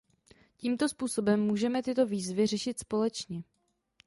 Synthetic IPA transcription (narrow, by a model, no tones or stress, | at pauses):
ciːmt̪o̞spuːso̞bɛmːuːʒɛmɛt̪ɪt̪o̞viːzvɪrɛʃɪt̪spo̞lɛt͡ʃɲɛ